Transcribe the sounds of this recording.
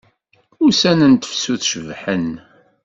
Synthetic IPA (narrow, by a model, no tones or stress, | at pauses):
ʊɾsænənt̪ə̥fsuθʃəvħən